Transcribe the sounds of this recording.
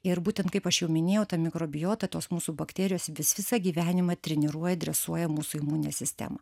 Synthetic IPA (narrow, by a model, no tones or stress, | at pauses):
ɪɾbuːt̪ʲɛnt̪kɐɪpɐʃjɛʊmʲɪnʲeːjɛʊt̪ɐmʲɪkɾoːbʲɪjoːt̪ɐt̪oːsmuːsuːbɐkt̪ʲɛːɾʲɪjoːsʋʲɪsʋʲɪsɑɡʲiːʋʲæːnʲɪmɐt̪ʲɾʲɛnʲɪɾuɔjɛd̪ʲɾʲɛsuɔjɛmuːsuːɪmuːnʲɪnʲeːsʲɪsʲt̪ʲæ̰ːmɐ̰